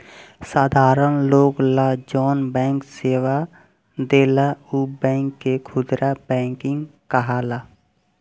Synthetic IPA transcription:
saːd̪ʱaːɾənloːɡlad͡ʒɔːnbɛ̃ːŋkseːʋa | d̪eːlaubɛ̃ːŋkːekʰʊd̪ɾabɛ̃ːŋkɪ̃ŋɡkəɦaːla

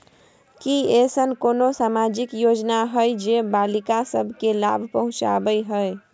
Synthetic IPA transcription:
kiesənkonosamad͡ʒikjod͡ʒnaɦəjd͡ʒebalikasəbʱkela̰bʱpəɦũt͡ʃa̰bəjɦəj

